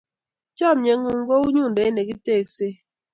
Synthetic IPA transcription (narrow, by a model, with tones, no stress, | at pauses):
t͡ʃɔ˦˨mɲe˨ŋu˨ŋ˦ɡo˦u˦ɲu˦˨n˨de˨˦ne˨ki˦teː˦˨kse˦